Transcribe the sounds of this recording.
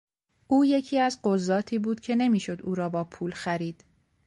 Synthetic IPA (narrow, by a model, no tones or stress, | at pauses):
ʔuːje̞cʰiːæzɢozːɒːt̪ʰiːbuːd̪̥cʰe̞ne̞miːʃo̞d̪uːɾɒːbɒːpʰuːlxæɾiːd̪̥